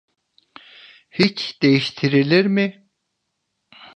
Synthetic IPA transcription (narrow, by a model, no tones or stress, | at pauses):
hit͡ʃd̪̥ejiʃt̪ʰiɾilʲiɾmɪ